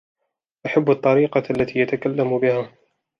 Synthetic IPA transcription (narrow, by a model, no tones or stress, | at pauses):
ʔaħabːɑt̪ˤːɑɾiːqɑalːat̪ʰiːjat̪akalːambɪhaː